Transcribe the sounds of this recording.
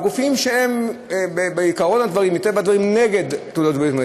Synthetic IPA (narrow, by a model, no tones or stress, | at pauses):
ɡufimʃeembebeikaʁo̞nad̪vaʁimit̪evbad̪vaʁimne̞ɡed̪t̪udot̪beit̪m